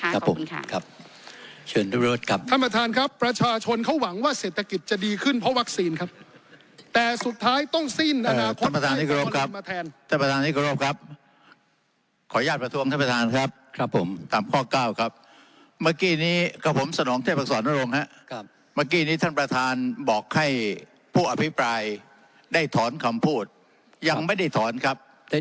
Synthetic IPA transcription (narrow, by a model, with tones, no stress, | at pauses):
a˦˥pʰːo˩˦m˧kʰa˦˥p̚ | t͡ɕʰɤː˧ndu˥˩˧u˦˥t̪̚kʰa˦˥p̪̚ʰa˥˩npɾa˧t̪ʰaː˧nkʰa˦˥pːɾa˧t͡ɕʰaː˧t͡ɕʰo˧nkʰa˦˥wa˩˦ŋwaː˥˩seː˨˩t̪ʰːa˧ki˨˩t̪̚t͡ɕa˨˩diː˧kʰɯ˥˩npʰɾɔ˦˥wa˦˥k̚siː˧nkʰa˦˥p̚ | t̪ɛː˨˩su˨˩t̪ʰːaː˦˥jt̪ɔ˥˩ŋsi˥˩nʔaː˧naː˩˧t̪ʰa˥˩pɾa˧aː˧niː˦˥˩kʰɾoː˦˥˧kʰa˦˥pmaː˧t̪ʰɛː˧nt̪ʰa˥˩pɾa˧t̪aː˧ni˥˩kʰɔ˧ɾoː˦˥˩p̚kʰa˦˥p̚ | kʰɔː˩˦jaː˥˩t̪̚pɾa˧t̪ʰu˧ŋt̪ʰa˥˩pɾa˧t̪ʰaː˧nkʰa˦˥p̚ʰo˩˦mt̪aː˨˧mkʰɔː˥˩kaː˥˩wkʰa˦˥p̚ | maː˧˩kiː˧˩niː˦˥kʰa˧˩pʰo˩˦msa˧nɔː˩˦ŋʰeː˥˩p̚a˧˥sɔː˩˦nːa˥˩ɾo˧ŋha˦˥ʔ | maː˧˩k̬iː˧˩niː˦˥t̪ʰa˥˩npɾa˧t̪ʰaː˧nbɔː˨˩k̚ha˥˩j | pʰuː˥˩ʔa˧pʰi˦˥pɾaː˧j | daː˥˩jt̪ʰɔː˩˦nkʰa˧mpʰuː˥˩t̪̚ | ja˧ŋma˥˩jda˥˩jt̪ʰɔː˩˦nkʰa˦˥p̚